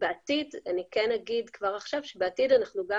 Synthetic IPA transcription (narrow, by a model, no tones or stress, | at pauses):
beatidanikenaɡidkvaʁaχʃavʃebeatidanaχnuɡa